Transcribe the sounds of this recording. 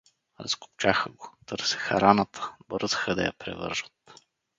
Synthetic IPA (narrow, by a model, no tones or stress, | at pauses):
ɾɐ̰sku̥pt͡ʃaxəɡot̪ɤɾsɛ̥xɐɾanət̪ʰə̥bɾəzxəd̪ɐ̰jɐ̰pɾɛ̰vɤ̰ɾʒət̪